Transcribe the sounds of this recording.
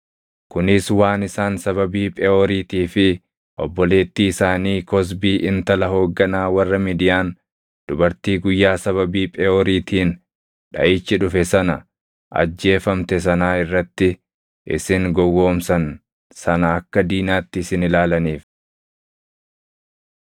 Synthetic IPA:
kʊnɪswaːnɪsaːnsɐβɐbiːpʼɛoːɾiːt̪iːfɪ | ʔɔbːɔle̞ːt̪ːiːɪsaːniːkɔs̬biːʔɪnt̪ɐlɐɦo̞ːɡːɐnaːwɐrːɐmiːd̪ɪjaːn | d̪̥ʊbɐɾt̪iːɡʊjːaːsɐβɐbiːpʼɛoːɾiːt̪ʰiːn | ᶑɐ̰ʔɪt͡ʃːɪᶑʊfɛsɐnɐ | ʔɐ̰d͡ʒːe̞ːfɐmt̪ɛs̬ɐnaːɪrːɐt̪ːɪ | ʔɪ̰sɪŋɡɔwːo̞ːmsɐn | sɐnɐɐkːɐd̪iːnaːt̪ːɪsɪnɪlaːlɐniːf

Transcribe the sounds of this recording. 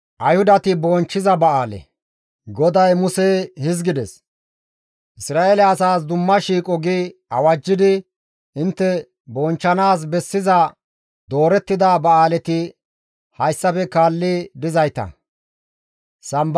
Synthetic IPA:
ʔɐjhʊd̪ɐt̪ɪbɔnt͡ʃːɪzɐbɐʔaːlɛ̰ | ɡɔd̪ɐjmʊsɛhɪzɡɪd̪ɛs | ʔɪsɾaːeːlɛɐsaːs̬d̪ʊmːɐʃiːkʼɔɡiɐwɐd͡ʒːɪd̪ɪ | ʔɪnt̪ːɛ | bɔnt͡ʃːɐnaːs̬bɛsːɪzɐ | d̪o̞ːɾɛt̪ːɪd̪abɐaːlɛt̪ɪ | hɐjsːɐpɛkaːlːɪd̪ɪzɐjt̪ɐ̰ | sɐmb

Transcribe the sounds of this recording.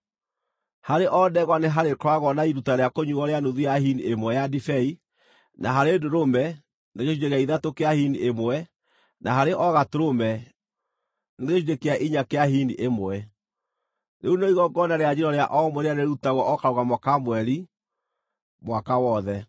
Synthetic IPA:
haɾeʔɔdɛɣwaneɦaɾekwaɣɔnaiɾutaɾeakoɲuɣɔɾeanoðiahiniemwɛjadifɛi | naɦaɾedoɾomɛ | neɣeʃuɾekaiðatokeahiniʔemwɛ | naɦaɾeʔɔɣatoɾomɛ | neɣeʃudekeaʔiɲakeahiniʔemwɛ | neunoiɣɔɡɔnaɾead͡ʑiɾɔɾeaʔɔmwɛɾeaneɾutaɣwɔɔkaɾoɣamɔkamwɛɾi | mwakawɔðɛ

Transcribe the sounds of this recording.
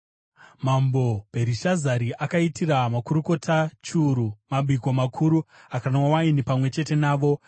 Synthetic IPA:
mambo̞b̥ʱe̞ɾiʃazaɾiʔakaitiramakuɾuko̞tʰat͡ʃuɾumabʱiko̞makʰuɾuakanwawainipamwe̞t͡ʃe̞te̞naːʋo̞

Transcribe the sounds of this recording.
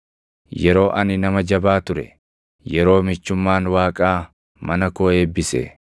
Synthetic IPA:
jɛɾo̞ːʔɐnɪnɐmɐd͡ʒɐbaːt̪ʊɾɛ̰ | jɛɾo̞ːmɪt͡ʃːʊmːaːnwaːkʼaː | mɐnɐkoːeːbːɪsḛ

